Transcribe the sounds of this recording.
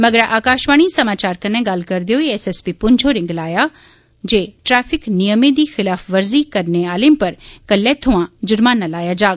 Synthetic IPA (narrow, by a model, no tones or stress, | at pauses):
mɐɡəɾʔaːkaːʃʋaːɽ̃isɐmaːt͡ʃaːɾkɐnẽɡalkɐɾd̪ijoiesespipʊɲd͡ʒʰʱoɾɪ̃ŋɡlaːja | d͡ʒeːʈɾɛːfʰɪknijəmẽd̪ixɪlaːfʰʋɐɾzikɐɾneaːlempɐɾkɐlːet̪ʰʊʋãd͡ʒʊɾmaːnːalaːjad͡ʒaːɡ